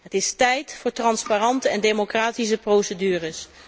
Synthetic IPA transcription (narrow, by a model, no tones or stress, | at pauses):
ɦətɪstɛjtfʊːɹtrɑnsparɑntəɛndejmokraːtis̬əprowsədyːrəs